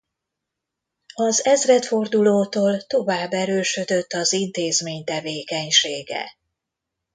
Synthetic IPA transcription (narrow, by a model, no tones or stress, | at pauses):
ɒzɛzrɛt̪fo̞rd̪uloːt̪oːlt̪o̞vaːbːɛɾøːʃø̞d̪ø̞t̪ːɒzint̪eːzmeːɲt̪ɛveːkɛɲʃeːɡɛ̰